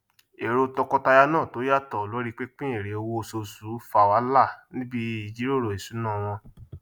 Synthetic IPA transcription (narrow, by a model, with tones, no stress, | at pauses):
e˨ɾo˧tɔ˧kɔ˧ta˧ja˧nãː˦˨to˨˦ja˦tɔ˨lo˨˦ɾi˦k͡pe˦k͡pĩ˦e˦˨ɾe˨˦o˧wo˧so˧su˨˦fa˦˨wa˨˦la˦˨nĩ˦bi˦i˨d͡ʒi˨˦ɾo˦˨ɾo˨e˨su˨˦nãː˦˨w̃ɔ̃˧